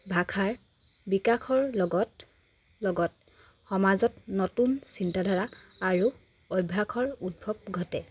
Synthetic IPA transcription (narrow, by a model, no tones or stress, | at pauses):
bʱakʰaɹ | bikakʰɔɹlɔɡɔt | lɔɡɔt | xɔmazɔtnɔtunsintadʱɔɹa | aɹu | ojbʱakʰɔɹut̚bʱɔb̚ɡʱɔtɛ